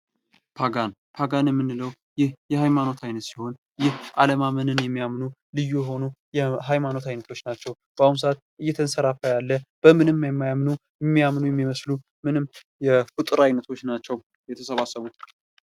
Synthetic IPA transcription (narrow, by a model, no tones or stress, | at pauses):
pʰaɡan | pʰaɡanjɛmːɨnːɨləw | jɪhjɛhajmano̞t̪ʰajnət̪siho̞n | jɪhʔaləmamənɨnjɛmːijamnulɨjːujɛɦo̞nujɛɦajmano̞t̪ajnət̪ʰo̞t͡ʃːnat͡ʃːɛw | b̥aums̬əat̪ʔɨjːɛt̪ʰənsəɾafajalːəb̥əmɨnɨmːjɛmːajamnujɛmːijamnujɛmːiməslu | mɨnɨm | jɛfɨt̪ʼɨɾajnət̪ʰo̞t͡ʃːnat͡ʃːɛw | jɛt̪ʰəsəβasːəβu